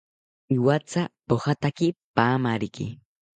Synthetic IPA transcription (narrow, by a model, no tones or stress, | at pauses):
iwat͡sapohat̪akipaːmaɾɪkɪ̰